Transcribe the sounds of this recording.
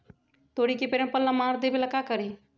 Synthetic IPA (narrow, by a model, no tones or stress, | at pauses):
t̪oɽikepeɾmpəlːamaɾd̪ebeləkakəɾi